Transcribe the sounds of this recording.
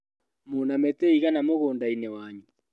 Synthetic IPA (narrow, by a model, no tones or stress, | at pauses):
monamɛteiɣanamoɣoːndainewaɲu